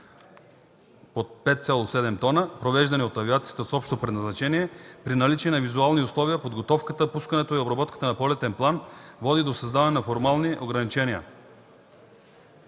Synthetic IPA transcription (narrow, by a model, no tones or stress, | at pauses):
pot̪̚pɛt̪̚t̪sʲalˠosɛd̪ɛmt̪ɔnəpɾovɛʒd̪ɐniot̪ɐviat̪siḁt̪əsɔpʃt̪opɾɛd̪nɐznat͡ʃɛniɛpɾinalit͡ʃɛnavizualˠniuslˠɔviapod̪ɡot̪ɔfkət̪əpuskɐnɛt̪oiobɾɐbɔt̪kə̥t̪ənɐpolɛt̪ɛnplˠanvɔd̪id̪osɐzd̪avɐnɛnafoɾmalˠniʔoɡɾɐnit͡ʃɛnija̰